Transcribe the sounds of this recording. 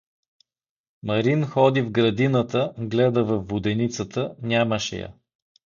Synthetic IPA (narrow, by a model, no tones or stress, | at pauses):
mɐɾinxɔd̪ivɡɾɐd̪inət̪əɡlɛd̪əvɐfːʊd̪ɛnit̪sət̪ənʲaməʃɛ̰jə̰